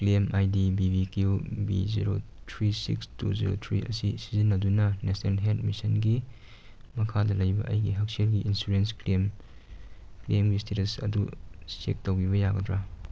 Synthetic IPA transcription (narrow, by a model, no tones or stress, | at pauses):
kliemajdibibikjubḭzḭɾo̰tʰɾisḭkstṵzḭɾo̰tʰɾḭʔɐ̰sisizinːɐdunɐnesnelɦetmisɐnɡi | mɐkʰadɐlɐjbɐ̰ʔɐjɡiɦɐk̚selɡiʔinsuɾensklem | klemɡistʰetɐsɐ̰dusḛk̚tɐwɡibɐjaɡɐdɾa